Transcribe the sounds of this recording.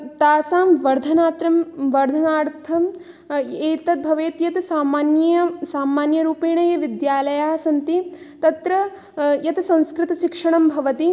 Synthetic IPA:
t̪aːsaːmʋɐɾd̪ʱɐnaːt̪ɾɐmʋɐɾd̪ʱɐnaːɾt̪ʰɐm | eːt̪ɐt̪̚bʱɐʋeːt̪jɐt̪saːmaːnjɐjɐsaːmaːnjɐɾuːpiːɳɐjɐʋid̪jaːlɐjaːɦɐsɐnt̪it̪ɐt̪ɾɐ | jɐt̪sɐ̃nskɾɪt̪ɐʃikʂɐɳɐmbʱɐʋɐt̪i

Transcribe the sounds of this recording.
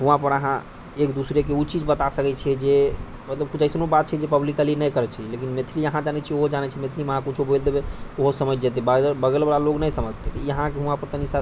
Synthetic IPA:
ɦũãpəɾəɦã | ekd̪usɾekeut͡ʃid͡ʒbət̪asəkɛt͡ʃʰɛd͡ʒe | mət̪ləb̚kud͡ʒəjsnobat̪̚t͡ʃʰɛd͡ʒepəblikəlinəjkəɾɛt͡ʃʰilekinmet̪ʰiliəɦãd͡ʒanɛt͡ʃʰioɦod͡ʒanɛt͡ʃʰimet̪ʰilimeəɦãkut͡ʃʰobojld̪ebeoɦosəməjd͡ʒet̪̬ebəbəɡelbalaloɡnəjsəməd͡ʒʱt̪ɛt̪ɔjəɦãkeɦũãpəɾt̪ənisa

